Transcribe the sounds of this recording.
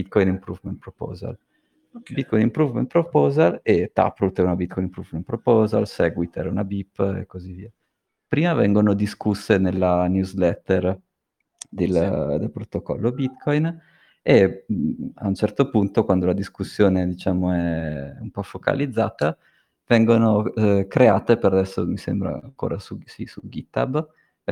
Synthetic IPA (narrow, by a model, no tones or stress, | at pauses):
bit̪̚kɔjnimpɾuvment̪pɾopɔ̰ːza̰l | bit̪̚kɔjnimpɾuvmḛnt̪pɾopɔːzalet̪ːa̰pɾult̪ɛunabit̪kɔjnimpɾuvmenpɾopɔːza̰lsɛɡwit̪ɛ̰ɾunabipːḛkːoziviːa | pɾiːmavɛ̰ŋɡonod̪iskusːenelːanjuzlɛt̪ːɛr | d̪eld̪elpɾot̪okɔ̰lːobit̪kʰɔjn | e | a̰unt͡ʃɛrt̪opunt̪okwand̪olad̪iskusːjoːned̪it͡ʃaːmoɛumpɔfoka̰lid̪zːa̰ːt̪a | vɛŋɡonokɾeaːt̪epeɾad̪ɛsːo̰misɛ̰mbɾa̰a̰ŋko̰ːɾʔa̰susisuɡit̪a̰b